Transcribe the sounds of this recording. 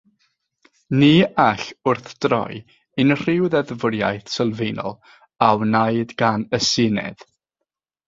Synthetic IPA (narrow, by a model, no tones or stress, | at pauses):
niːaɬʊrθd̥rɔ̰j | ɨnr̥ɪwðɛðvʊɾja̰jθsəlˠvejnɔ̰lˠ | awnajdɡ̥anəsɪnɛ̰ð̥